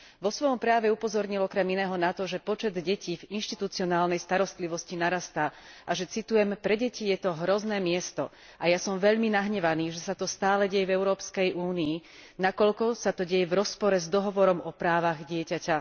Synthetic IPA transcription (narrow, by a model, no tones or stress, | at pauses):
ʋɔsʋɔjɔmpɾaaʋɛupɔzɔɾɲilɔkɾɛminɛːɦɔnat̪ɔʒɛpɔt͡ʃɛd̪ɟɛciːvinʃt̪it̪ut͡siɔnaːlnɛjst̪aɾɔst̪liʋɔscinaɾast̪aːʔaʒɛt͡sit̪ujɛmpɾɛɟɛcijɛt̪ɔɦɾɔznɛːmɪɛst̪ɔ̰ | ajasɔmʋɛʎminaɦɲɛʋaniːʒɛsat̪ɔst̪aːlɛɟɛjɛvɛʊɾɔːpskɛjʔuːniː | nakɔʎkɔsat̪ɔɟɛjɛvɾɔspɔɾɛzd̪ɔɦɔʋɔɾɔmɔpɾaːʋaɣɟɪɛcaca